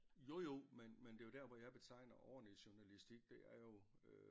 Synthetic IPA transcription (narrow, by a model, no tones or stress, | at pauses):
jo̝jo̝menmend̥e̝jo̝d̥æɐʋɒjɑ̈ɪb̥e̝t͡sʰɑ̈ɪnɐʔɒʊɐnəiɕuɐnælisd̥iɡ̥̚d̥e̝æɐjo̝